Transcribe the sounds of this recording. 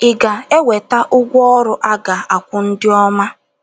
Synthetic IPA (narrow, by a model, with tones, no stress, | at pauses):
ɪ˨ɡa˨e˦we˨ta˦ʔʊ˦ɡʷɔ˦ɾʊ˦ʔa˦ɡa˨a˨kʷʊ˦n̩˦dɪ˦ɔ˦ma˦